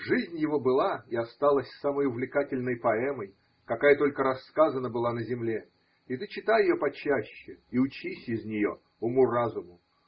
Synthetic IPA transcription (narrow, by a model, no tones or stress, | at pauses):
ʐɨzʲnʲjɪvo̞bɨlˠaɪɐst̪alˠəsʲsaməjʊvlʲɪkatʲɪlʲnəjpɐɛməj | kɐkajət̪o̞lʲkəɾɐsːkazənːəbɨlˠanəzʲɪmlʲe | ɪt̪ɨt͡ɕɪt̪ajɪjopɐt͡ɕæɕːɪiʊt͡ɕisʲɪzʲnʲɪjo̞̰ | ʊmurazʊmʊ